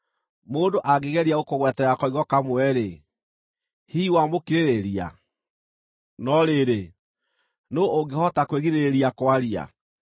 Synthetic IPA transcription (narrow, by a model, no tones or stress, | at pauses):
moːndoʔaɡeɣɛɾiaɣokoɣwɛtɛɾakɔiɣɔkamwɛɾe | hiːwamokiɾeɾeɾia̰ | nɔɾeːɾe | nooŋɡehɔtakweɣiɾeeɾiakwaɾia̰